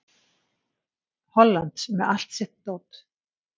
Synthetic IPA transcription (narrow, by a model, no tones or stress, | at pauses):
hɔlːant̪smɛðal̥t̪sɪht̪t̪owt̪